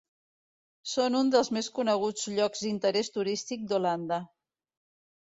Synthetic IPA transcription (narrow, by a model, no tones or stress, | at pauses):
sonund̪əlˠzmeskunəɣ̞ud͡zʎɔkzd̪int̪əɾɛst̪uɾist̪ik̚d̪uland̪ə